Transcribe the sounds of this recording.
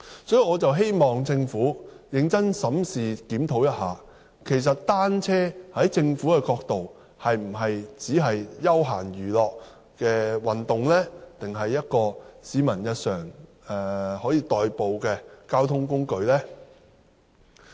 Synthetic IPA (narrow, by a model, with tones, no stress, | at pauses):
sɔː˨˥ji˨˩ŋɔː˨˧t͡sɐ˨wɦe˥jmɔː˨ŋt͡sɪ˧ŋfuː˨˥jɪ˨˧ŋt͡sɐ˥nsɐ˨˥msiː˨kiː˨˥mt̪ʰo˨˥wjɐ˥t̚haː˨ | kʰe˨˩js̬ɐ˨t̚t̪aː˥nt͡sʰɛː˥hɐ˨˥jt͡sɪ˧ŋfuː˨˥kɛː˧kɔː˧k̚t̪o˨w | hɐ˨jm̩˨˩ɦɐ˨jt͡siː˨˥ɦɐ˨jjɐ˥wɦaː˨˩nɥyː˨˩lɔː˨˧k̚ | kɛː˧wɐ˨˩nt̪ʊ˨˩ŋlɛː˥t̪ɪ˨ŋɦɐ˨jːɐ˥t̚kɔː˧siː˨˥mɐ˨˩njɐ˧t̚sœː˨˩ŋ | ɛː˨˩hɔː˨˥jiː˨˧t̪ɔː˨jpo˨wkɛː˧kaː˥wt̪ʰʊ˥ŋkʊ˥ŋkɵ˧ɥlɛː˥